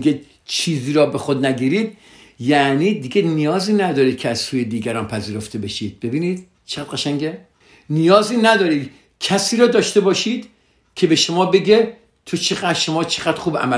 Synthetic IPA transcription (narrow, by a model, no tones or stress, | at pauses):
ɡe | t͡ʃʰiːziːɾɒːbe̞xod̪næɡiːɾiːd̪̥̚ | jæniːd̪iɡenijɒːziːnæd̪ɒːɾiːd̪̥̚kʲʰeæz̥suːjed̪iːɡæɾɒːnpʰæziːɾo̞ft̪ʰe̞be̞ʃiːd̪̥̚be̞biːniːd̪̥ | t͡ʃʰeʁæːd̪ʁæʃæŋɟe | nijɒːziːnæd̪ɒːɾiːd̪ | cʰæsiːɾɒːd̪ɒːʃt̪e̞bɒːʃiːd̪̥ | kʰe̞be̞ʃomɒːbe̞ɡe | t̪ʰot͡ʃʰeɣæʃo̞mɒːt͡ʃʰeɣæd̪ɾxuːbæ̰mæ